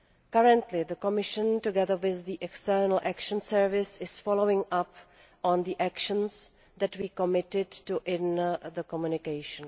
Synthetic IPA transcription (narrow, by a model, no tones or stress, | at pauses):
kaɹə̃ntlɪðəkɔmɪʃə̃ntuɡɛðəwɪððiʔɛkstɛɹnəl̩ʔækʃə̃nsɛɹvɪsɪsfɔlowɪ̃ŋʔap | ɔ̃nðiʔækʃə̃ns | ðɛtwiːkɔmɪtɪdtuʔɪnðəkɔmjunɪkeɪʃə̃n